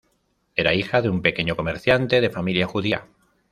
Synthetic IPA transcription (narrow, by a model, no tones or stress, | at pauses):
e̞ɾaixaðeumpe̞keɲoko̞me̞ɾθjant̪e̞ð̞e̞familjaxuðia̰